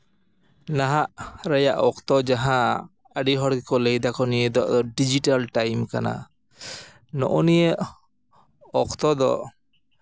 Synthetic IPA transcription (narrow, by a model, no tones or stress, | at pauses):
naɦaʔɾajaʔɔkt̪ɔd͡ʒaɦã | əɖiɦɔɽkikɔlejd̪akɔnijəd̪ɔʔd̪ɔɖid͡ʒiʈalʈajmkana̰ | nɔ̰ʔɔnijəʔ | ɔkt̪ɔd̪ɔ̰ʔ